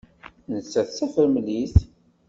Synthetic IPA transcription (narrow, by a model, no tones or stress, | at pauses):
nət͡sːæθsæfəɾmliθ